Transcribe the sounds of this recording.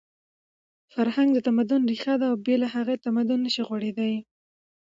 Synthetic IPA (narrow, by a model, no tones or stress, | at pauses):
faɾhaŋɡd̪ət̪amad̪ʊnɾixad̪aːwbelaɦaɣet̪amad̪ʊnːəʃiɣwaɽed̪aj